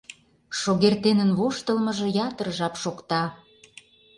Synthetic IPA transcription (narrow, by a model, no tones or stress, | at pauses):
ʃoɣert̪enənβoʃt̪ə̆lmɤ̆ʒɤ̆jɑt̪əɾəʒɑpʃokt̪ɑ